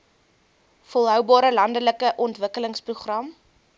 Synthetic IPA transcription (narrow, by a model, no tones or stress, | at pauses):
fɔlˠɦœwbɑːɾəlɐndələkəʔɔntvəkələŋspruχrɐm